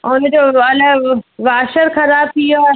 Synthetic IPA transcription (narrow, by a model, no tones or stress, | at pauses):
ʊnəd͡ʑoːɐləʋaːʃəɾxɐɾaːb̚t̪ʰio